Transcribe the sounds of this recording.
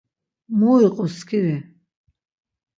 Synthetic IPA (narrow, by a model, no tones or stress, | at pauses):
mɔiqʼɔskʰiɾɛ